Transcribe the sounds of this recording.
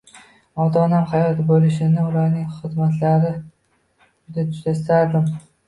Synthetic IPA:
ɒd̪ɒnamχajɒt̪bolɪʃɪnɪʊlaɾnɪŋχɨzmat̪ʰlaɾɪ | ʊd̪at̪ʰʊ̥ʃzast̪aɾd̪ɪm

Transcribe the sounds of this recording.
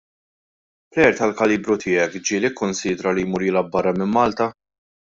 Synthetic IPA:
plɛɾt̪ɐlkɐliːbɾʊt̪ʰɪːɛkd͡ʒiːlɪkʰːʊnsiːd̪ɾɐlijmuːɾilɐbːɐrːɐmɪmːɐːlt̪ɐ

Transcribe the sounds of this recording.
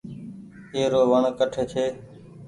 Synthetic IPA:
eːɾoːʋəɳkəʈʰeːkʰeː

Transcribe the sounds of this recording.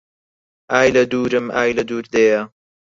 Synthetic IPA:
ʔaːjlɐd̪uːɾɨmʔaːjlɐd̪uːɾd̪eːjɐ

